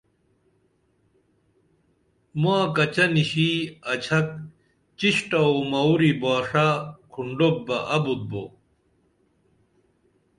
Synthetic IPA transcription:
maːkɐt͡ɕɐniɕiɐt͡ɕʰɐk̚ | t͡ɕiɕʈɐomɐwɾibaːʂakʰuɳɖok̚bɐʔɐbut̪̚bo̰

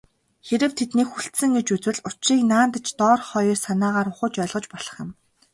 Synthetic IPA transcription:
xeɾɘ̆wt̪ʰet̪niːkxuɬt̪sɘ̆ŋɡet͡ɕut͡swɘ̆ɮʊt͡ɕiːknaːnt̪ə̆t͡ɕt̪ɔːrχɔjrsanaːʁaːɾʊχʊ̆ːt͡ɕœːɮʁɞ̆t͡ɕpɔɮ̥ɞ̆χjɪ̆m

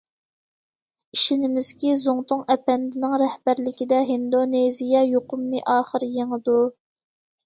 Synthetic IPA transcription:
iʃinɪmɪz̥kʲizoŋt̪ʊŋɛpɛnd̪ɪnɪŋɾɛhbæɾlɪkʲid̪ɛɦind̪onezijɛjoqʊmnɨʔɑːχəɾjeŋəd̪u

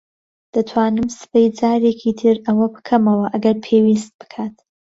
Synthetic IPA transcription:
d̪̥ɐt̪ʰwaːnɨmsɨ̥pɐjd͡zaːɾeːkʰiːt̪ʰɨɾɐwɐbɨkʰɐmɐwɐʔɐɡɐɾpʰeːwist̪̚bɨ̥kʰaːt̪

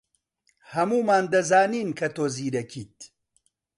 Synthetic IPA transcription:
hɐmuːmaːnd̪ɐzaːniːnkʰɐt̪oːziːɾɐkʰiːt̪̚

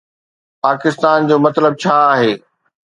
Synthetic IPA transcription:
paːkɪst̪aːnd͡ʑoːmɐt̪ləb̚t͡ɕʰaːaːɦeː

